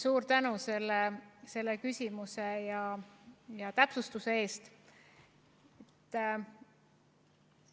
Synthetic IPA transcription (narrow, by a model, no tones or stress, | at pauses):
suːɾt̪ænuse̞lːese̞lːekysʲimusejɑ | jɑt̪æpsust̪use̞e̞ːst̪ | et̪ː